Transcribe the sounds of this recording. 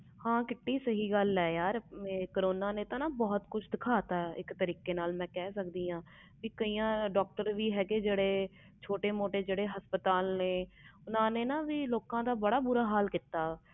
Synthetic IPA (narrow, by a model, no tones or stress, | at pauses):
hãːkɪʈːiːsəɦiːɡəlɛːjaːɾkəɾoːnaːnẽːt̪ãːnaːbɔːt̪kʊt͡ʃʰd̪ɪkʰaːt̪aːɪ̰kt̪əɾiːkeːnaːlmɛ̃ːkɛːsəkd̪iːãː | ʋiːkəiːãːɖɔːk̚ʈəɾʋiːɦɛːɡeːd͡ʒeːɽeː | t͡ʃʰoːʈeːmoːʈeːd͡ʒeːɽeːɦəspət̪aːlneːʊnãːneːnaːʋiːloːkãːd̪aːbəɽaːbʊːɾaːɦaːlkiːt̪ːaː